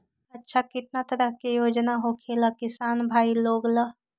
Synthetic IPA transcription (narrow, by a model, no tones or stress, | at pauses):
ɐtːʃʰakɪt̪̚nat̪ɐɾəɦkejoːd͡ʒnaɦokʰelakɪsaːnbʱaːiloːɡla